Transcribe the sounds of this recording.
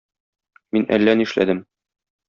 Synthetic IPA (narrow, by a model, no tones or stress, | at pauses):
minæ̰lːæniʃlæ̰d̪ɘm